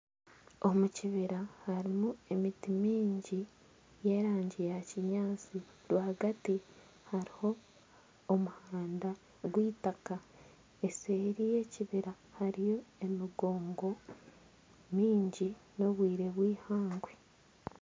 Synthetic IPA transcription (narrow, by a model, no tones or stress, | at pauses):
o̞muciβiɾahaɾimue̞mitimiːɲɟi | je̞ːɾaːɲɟijaciɲaːt͡si | ɾwahaɡati | haɾiho̞ː | muhaːnda | ɡwiːtaka | eseːɾije̞ciβiɾa | haɾijo̞e̞miɡoːŋɡo̞ | miːɲɟino̞βwiːɾe̞βwiːhaːŋɡwe